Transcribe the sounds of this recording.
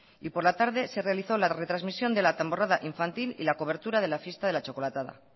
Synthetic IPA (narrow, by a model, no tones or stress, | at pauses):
ipo̞ɾlat̪aɾðe̞se̞realiθo̞laret̪ɾazmisjo̞nd̪e̞lat̪ambo̞raðaʔiɱfant̪ilḭlako̞β̞e̞ɾt̪uɾað̞e̞lafje̞st̪aðe̞lat͡ʃo̞kolat̪aða̰